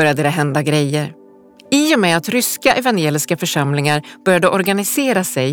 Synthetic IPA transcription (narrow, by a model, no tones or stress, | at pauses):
œɾjad̪əd̪ɛɦɛnd̪aɡɾɛjːəɾ | ɪjɔmɛat̪ɾʏskaʔɛvanjeːlɪskafœʂamlɪŋaɾb̥œɾjad̪əʔɔɾɡanɪseːɾasɛj